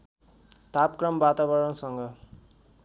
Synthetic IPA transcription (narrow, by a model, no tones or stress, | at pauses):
t̪apkrʌmbat̪aβʌɾʌnsʌŋɡʌ